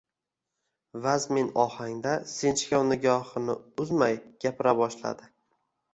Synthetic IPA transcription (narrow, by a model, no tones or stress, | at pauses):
vazme̞nɒhaŋd̪asent͡ʃkʲawnɪɡʲɒhɨnɪʊzmajɡ̥ʲapʰɪɾabɒʃla̰d̪ɪ